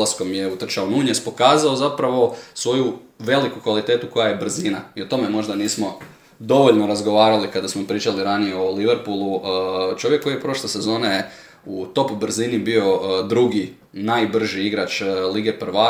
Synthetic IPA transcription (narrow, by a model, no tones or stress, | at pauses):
lasko̞mjeut̪r̩t͡ʃaonuɲespo̞kaːzao̞zapɾaʋo̞sʋo̞juʋe̞likukʋalit̪et̪uko̞jaje̞br̩ziːnaio̞t̪o̞me̞mo̞ʒd̪aniːsmo̞ | d̪o̞ʋo̞ʎno̞ɾazɡo̞ʋaːɾalikad̪asmo̞pɾiːt͡ʃaliɾanijeoliʋeɾpulˠuət͡ʃo̞ʋjekːo̞jijepɾo̞ʃlˠese̞zo̞ːneje | ut̪o̞pbr̩ziːnibio̞d̪ɾuɡi | najbr̩ʒiiɡɾat͡ʃliɡe̞pr̩ʋa